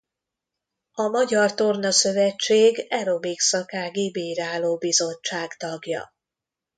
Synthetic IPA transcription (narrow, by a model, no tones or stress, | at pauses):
ɒmɒɟɒrt̪ornɒsø̞vɛt͡ʃːeːɡɛɾo̞biksɒkaːɡibiɾaːloːbizo̞t͡ʃːaːɡt̪ɒɡjɒ̰